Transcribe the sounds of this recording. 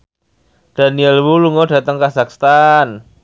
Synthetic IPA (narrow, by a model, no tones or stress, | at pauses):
d̪̥a̤niɛlwuluŋɔd̥ä̤t̪əŋkasakst̪an